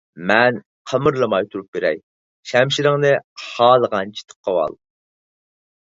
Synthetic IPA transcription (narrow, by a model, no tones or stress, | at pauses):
mɛn | qʰəmɨɾlˠəmɑjt̪ʰuɾup̚beɾɛ̰j | ʃɛmʃiɾɪŋnɨhɑːlˠəʁɑnt͡ʃʰi̥t̪ʰə̥p̚qʰːɑwɑ̰lˠ